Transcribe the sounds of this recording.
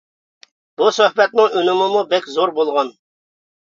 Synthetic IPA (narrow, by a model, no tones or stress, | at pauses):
b̥usøhbɛt̪nɪŋynɪmɨmubɛkʲzoɾbolˠʁɑn